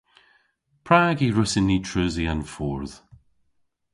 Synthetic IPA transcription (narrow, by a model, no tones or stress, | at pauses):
pʰɹ̥aːɡiɹʊsɪnːitʰɹ̥ʉziə̃nfɔɹð̥